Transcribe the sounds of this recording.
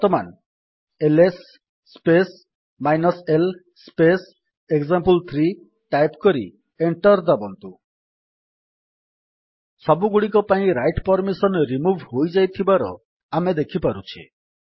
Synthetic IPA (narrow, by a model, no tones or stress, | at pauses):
t̪ɔman | elesː | pes | majnɔsel | spes | eɡzampult̪ʰɾi | ʈajpkɔɾḭ | eɳʈɔɾd̪abɔnt̪u | sɔbuɡuɽik̬ɔpaĩɾajʈpɔɾmisɔnɾimubʱhojd͡ʒajt̪ʰibaɾɔ̰ | amed̪ekʰipaɾut͡ʃʰḭ